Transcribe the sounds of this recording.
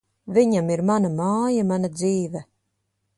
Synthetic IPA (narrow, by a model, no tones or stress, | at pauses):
viɲamiɾmanamaːjamanad̪ziːvɛ